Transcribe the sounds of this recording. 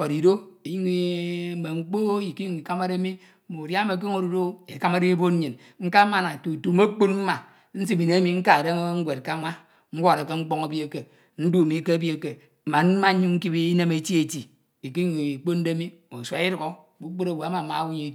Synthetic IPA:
fo˨ɾi˨do˦i˨ji˦ŋi˨˦me˨ŋ͡m̩˦k͡po˦i˨ki˦ju˨ŋi˨ka˦ma˦ɾe˦mi˦˨ | mo˨dja˦me˨k̬e˦ŋo˦ɾu˨do˦e˨ka˦ma˦ɾi˦bo˦n̩˦i˨n | ŋ̩˦ka˦ma˨na˨tu˨tu˨mo˦k͡pu˦tm̩˦ma˨ | n̩˦si˦bi˨ne˨˦e˦mi˦ŋ̩˦ka˦˨de˦ŋ̩˦ɡʷe˨t̚ka˦ma˦ | ŋ̩˦ɡʷo˦˨ɾe˨ke˦ŋ͡m̩˦k͡po˦ŋa˦bi˦e˦˨ke˨ | n̩˦du˦˨mi˨˦ke˦a˦bi˦e˨ke˨ | m̩˨ma˨n̩˦ma˦ɲu˦ŋ̩˦ki˦bi˦i˦ne˦me˨˦ti˦e˨ti˨ | i˨ki˦ji˨ŋi˨k͡po˦n̩˦de˦mi˦˨mo˨sʷa˨˦i˦ɾu˨ɡo˦˨bu˦k͡po˦ɾa˨wo˨a˦ma˨ma̰˨˦wu˦ɲi˦˨

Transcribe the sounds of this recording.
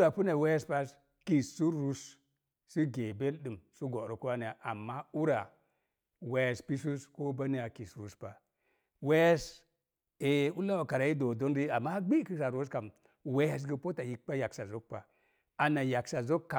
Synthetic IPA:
ɾa˨pu˦na˨we˦jspa˦s | ki˨ssu˦ɾu˦s | si˦ɡe˨be˦lɗɨ˨msu˦ɡo˨ɾo˨ku˦wa˦ni˨ja˨ʔa˨mːa˦u˦ɾa˨ | we˨spi˦su˦sko˦ba˦ni˦ja˨ki˨sɾu˦spa˨ | we˦js | e˨u˦la˦wa˨ka˨ɾa˨ji˦do˨do˦n˦ɾi˦a˨mːa˦ɡ͡bi˦ki˦sa˨ɾo˦ska˨m | we˦ja˦s̬ɡi˦po˦ta˨ji˨k̚k͡pa˦ja˨ksa˨zo˦k̚pa˨ | a˨na˨ja˨ksa˨zo˦kːa˨

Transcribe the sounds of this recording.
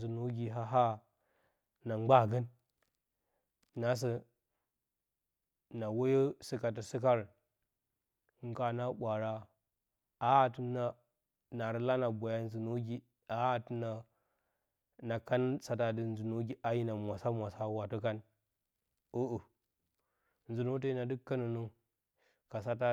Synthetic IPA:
zu˨nu˦ɡi˨ɦa˦ɦa˦ | na˨ŋ͡ma˦ɡə˦n | na˨s̬ə˦ | na˨wo˦jə˦si˨ka˨t̬i˨si˦ka˦ɾ | ŋ˦ɡa˨na˦ɓʷa˨ɾa˦ | a˦˨tu˦na˨ | na˨ɾi˦la˦na˨bʷa˨ja˦n˦zi˨no˦ɡi˦ | a˦a˨tu˦na˨ | na˨ka˦n˦sa˨ta˨di˨n˦zu˨no˦ɡi˦ʔa˦ji˦na˨mʷ˨a˨sa˦mʷ˨a˨sa˦wa˨tu˦ka˦n | o˦ʔu˨ | n˨zi˨no˦t̬i˦na˨di˦kːa˦nu˨nu˦ | ka˨sa˦ta˦

